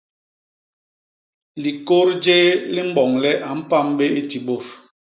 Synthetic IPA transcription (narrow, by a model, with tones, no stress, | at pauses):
li˨ko˦ɾd͡ʒeː˦li˦m̩˦bɔ˨ŋlɛ˦ʔa˨m̩˦pa˦˨mbe˦e˦ti˨ɓo˦˨ɾ